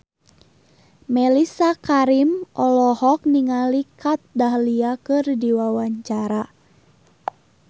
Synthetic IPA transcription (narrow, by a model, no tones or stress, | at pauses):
mɛlisakaɾimʔɔlɔhɔk̚niŋalikʰat̪̚daɦliakɨrdiwawaɲt͡ʃaɾa